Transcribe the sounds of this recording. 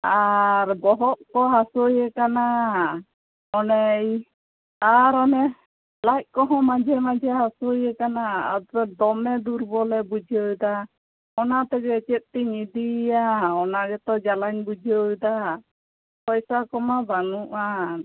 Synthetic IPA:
aɾbɔɦɔʔkɔɦasojɛkana | ɔnɛj | aɾɔnɛ | lac̚ˀkɔɦɔ̃mad͡ʒʱɛmad͡ʒɛɦasojɛkana̰ːd̪ɾɛd̪ɔmɛd̪uɾbɔlɛbud͡ʒʱɔjd̪a | ɔnat̪ɛɡɛt͡ʃɛt̪̚t̪iɲid̪iaɔnaɡɛt̪ɔd͡ʒalaɲbud͡ʒiəjd̪a | pɔjsakɔmabaŋuʔa

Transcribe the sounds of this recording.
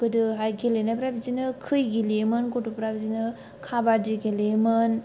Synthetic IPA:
kɯdɯɦajɡilenapɾabizinɯkʰɯjɡilemɯnkutupɾabizinɯ | kʰabadiɡilemɯn

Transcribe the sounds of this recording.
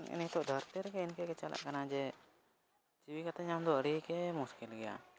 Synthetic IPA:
ḭnit̪ɔʔd̪ʱɔɾt̪ɛɾkɛinkɛkɛt͡ʃalʔa̰ʔkanad͡ʒɛ | t͡ʃiwikat̪aɲamd̪ɔəɾikɛmuskilɡɛja̰

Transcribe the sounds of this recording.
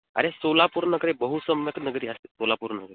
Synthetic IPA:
ə̰ɾesolapuɾnəɡɾebəɦusəmjəknəɡɾiːəse̥solapuɾnəɡɾi

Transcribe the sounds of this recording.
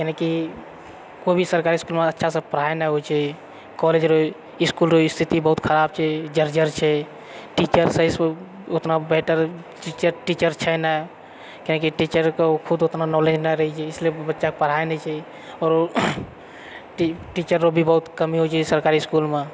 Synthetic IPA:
keneki | kobʱisəɾkaɾiskulmeətːʃʰasə̃pəɾ̤aenɛɦojt͡ʃʰɛ | kɔled͡ʒɾoi | ɪskulɾoist̪ʰit̪ibəɦut̪kʰəɾab̚t͡ʃʰɛd͡ʒəɾd͡ʒəɾt͡ʃʰɛ | ʈit͡ʃəɾsə̃s | ot̪nabeʈəɾ | ʈit͡ʃəʈit͡ʃəɾt͡ʃʰɛnɛ | kenekiʈit͡ʃəɾkekʰud̪ot̪nanɔled͡ʒnaɾəɦɛt͡ʃʰɛɪslebətːʃakpəɽ̤aenɛt͡ʃʰɛ | ɔːɾ | ʈiʈit͡ʃəɾːobʱibəɦut̪kəmiɦot͡ʃʰɛsəɾkaɾiskulme

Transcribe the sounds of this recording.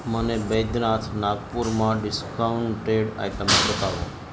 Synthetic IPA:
mənebəjd̪nat̪ʰnaɡpuɾmãɖɪskaɳʈeɖa̰jʈəmebət̪aʋṵ̃

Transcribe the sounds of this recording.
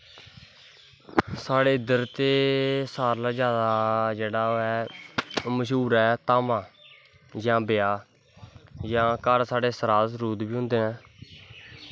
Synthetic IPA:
saːɽeːɪd̪əɾt̪eːsaːɾlaːd͡ʒjaːd̪aːd͡ʒeːɽaːoːɛː | məʃ̬uːɾɛːt̪aːmãː | jãːbɪjaː | jãːkəɾsaːɽeːsəɾaːd̪sɾuːd̪biːɦʊ̃nd̪eːnɛ̃ː

